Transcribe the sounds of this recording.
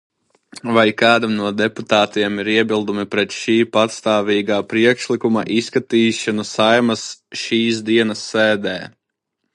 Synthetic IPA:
vajkaːd̪amnuɔd̪ɛput̪aːt̪iɛmiɾiɛbilˠd̪umipɾɛt̪ʃiːpat̪st̪aːviːɡaːpɾiɛkʃlikuma̰ʔiskat̪iːʃanusajmasʃiːsd̪iɛnɐsːɛːd̪ɛː

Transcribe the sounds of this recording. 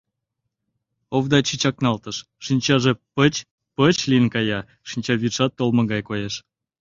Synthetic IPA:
ovd̪ɑt͡ɕit͡ɕɑk̚nɑlt̪əʃ | ʃinʲt͡ɕɑʒepət͡ɕ | pət͡ɕlʲiənkɑjɑ | ʃinʲt͡ɕɑβʲiʃɑt̪ːolmə̆ɣɑjkojeʃ

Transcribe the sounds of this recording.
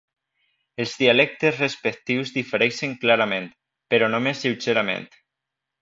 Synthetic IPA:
elˠzðialɛk̚t̪ezrespek̚t̪iwzðifeɾɛʃeŋklaɾamẽnt̪ | peɾɔnomesːiwseɾamḛ̃nt̪

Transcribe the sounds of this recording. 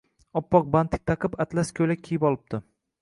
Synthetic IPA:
ɒpːɒq̚bant̪ʰɪ̥k̚ʲt̪ʰɑqʰɪpat̪laskʲʰɵlaejɪpɒlˠɪb̚d̪ɪ

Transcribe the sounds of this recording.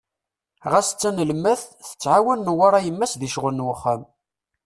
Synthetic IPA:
ʁasə̥t͡sːænəlmːæθθə̥t͡sːʕawænːəwaɾˤɑjəmːæsðiʃʁənwəχːam

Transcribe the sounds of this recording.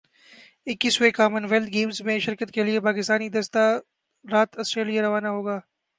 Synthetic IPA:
ɪkːisekaːmənʋɛlt̪ɡeːmzmẽʃɪɾkət̪keliepaːkɪst̪aːnid̪ɐst̪a | ɾaːt̪ɐsʈɾeːlijaɾɐʋaːnaɦoːɡaː

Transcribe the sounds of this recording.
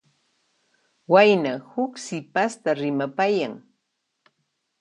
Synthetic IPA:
wajnahʊksɪpast̪aɾɪmapajaŋ

